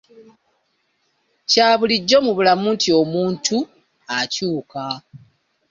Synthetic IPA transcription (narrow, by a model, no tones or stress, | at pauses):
caːβuliɟːo̞muβulamuːntio̞muːntʰu | acuːka